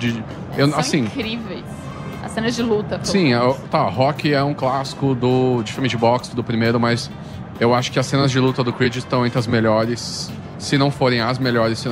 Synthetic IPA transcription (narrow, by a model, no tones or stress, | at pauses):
d͡ʒɪ | ewasĩkɾivejs | ɐsːẽnɐzd͡ʒɪlut̪ɐsĩt̪aɦɔkɪɛũklasi̥kʊd̪ʊd͡ʒɪfimɪd͡ʒɪbɔksd̪ʊpɾimejɾʊmɐs | ewaʃʊ̥kɪɐsːẽnɐzd͡ʒɪlut̪ɐd̪ʊkwid͡ʒɪst̪ɐ̃w̃ẽnt̪ɾɐzmeʎɔɾɪsː | ɪnɐ̃w̃foɾẽj̃ɐzmeʎɔɾɪsːɪn